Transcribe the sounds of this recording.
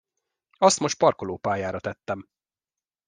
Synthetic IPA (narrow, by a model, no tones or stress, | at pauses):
ɒst̪mo̞ʃt̪̚pɒrko̞loːpaːjaːɾɒt̪ɛt̪ːɛm